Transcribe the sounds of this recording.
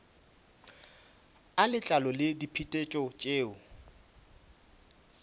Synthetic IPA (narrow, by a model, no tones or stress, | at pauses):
alɪt͡ɬʼalɔlɪdipʰitʼet͡ʃʼɔt͡ʃʼeːʊ